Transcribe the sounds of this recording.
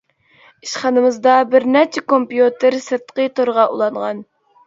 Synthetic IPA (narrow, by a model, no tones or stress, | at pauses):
iʃχɑnɨmɨzd̪ɑbɪɾnɛt͡ʃʰɛkompjut̪ɨɾsɨɾt̪qət̪ʰoɾʁɑʔulˠɑɴʁɑn